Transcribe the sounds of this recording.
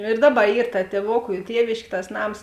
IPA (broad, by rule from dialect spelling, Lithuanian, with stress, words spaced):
ɪr ˈdɑːˌbɐ ˈiːr tɐ tʲiɛˈʋoːkʊ ɪ ˈtʲiɛʋʲeːʃʲkʲeː tɐs ˈnɐms